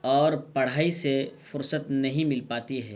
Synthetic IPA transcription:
ɔːɾpɐɽ̤aːisefʊɾsət̪nɐɦĩmɪlpaːt̪iɦɛː

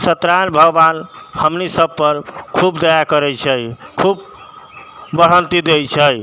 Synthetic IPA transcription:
sət̪ɾanbʱəɡbanhəmnisəbpəɾkʰubd̪əjakəɾɛt͡ʃʰəjkʰub | bəɽ̤ənt̪id̪ejt͡ʃʰəj

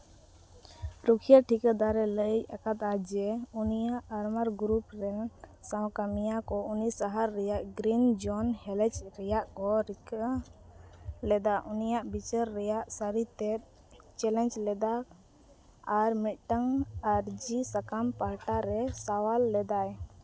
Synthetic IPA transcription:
ɾukʰijaʈʰikəd̪aɾɛləjakat̪ad͡ʒɛunijaʔːɾmaɾɡɾupɾɛsaw̃kamijakɔunisaɦaɾːɛjaʔɡɾind͡ʒɔnhɛlɛ̃t͡ʃɾɛjaʔkɔɾ | lɛd̪aʔunijaʔbit͡ʃəɾːɛjaʔsaɾit̪ɛt̪̚ | t͡ʃɛlɛ̃nt͡ʃlɛd̪a | ɾmiʈaŋaɾd͡ʒisakampaɦʈaɾɛsawalːɛd̪aj

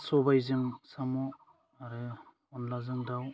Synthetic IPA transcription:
sɔbajzɯŋsamɔ | aɾɯ | ɔnlazɯŋdaw

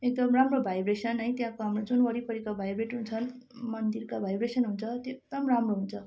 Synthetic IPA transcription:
ek̚d̪ʌmramrobʱajbresʌnɦʌj̃t̪jãkoɦamrod͡zunwʌɾipʌɾikabʱajbreʈɦunt͡sʰʌnmʌnd̪irkabʱajbresʌnɦunt͡sʰʌt̪ok̚d̪ʌmramroɦunt͡sʰʌ

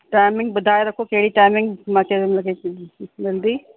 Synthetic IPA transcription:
ʈaːɪmɪ̃ŋɡ̚bɐd̪ʱaːjeɾɐkʰokeɽiʈaːɪmɪ̃ŋɡmat͡ʃed̪emlɐɡebɐld̪iː

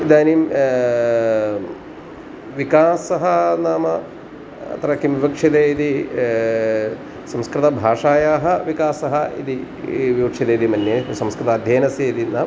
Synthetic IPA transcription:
id̪aːnim | ʋikaːsɐɦɐnaːmɐ | ɐ̰t̪ɐɾɐkːimʋibɐkʂid̪eid̪i | sɐmskɾɪt̪ɐbʱaːʂaːjaːɦɐʋikaːsɐɦɐḭd̪i | ʋibɐkʂid̪ɐːid̪imɐnːesɐmskɾɪt̪ɐːd̪ʱjeːnɐsjeid̪inaː

